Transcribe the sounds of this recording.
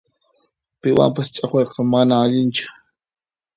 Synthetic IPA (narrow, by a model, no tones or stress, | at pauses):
pɪwa̰mpast͡ʃʼaχweɾqɑmanaːʎɪnt͡ʃʊ̥